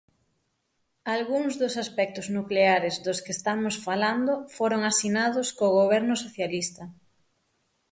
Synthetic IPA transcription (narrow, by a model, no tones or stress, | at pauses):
alɣuŋzðʊsaspɛk̚t̪ʊznukleaɾɪzðʊskest̪amʊsfaland̪ʊfoɾoŋasinað̞ʊskoɣoβ̞ɛɾnʊsoθjalist̪ɐ